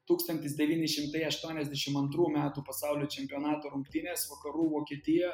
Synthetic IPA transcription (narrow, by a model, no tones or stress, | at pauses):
t̪uːkst̪ɐnt̪ʲɪsd̪ʲɛʋʲiːnʲɪʃʲɪmt̪ɐɪɐʃt̪uɔnʲɛzʲd̪ʲɛʃʲɪmɐnt̪ɾuːmʲæːt̪uːpɐsɑˑʊlʲoːt͡ʃʲɛmʲpʲɪoːnɑːt̪oːɾʊŋkt̪ʲɪnʲeːsʋɐkɐɾuːʋoːkʲiɛt̪ʲɪjɛ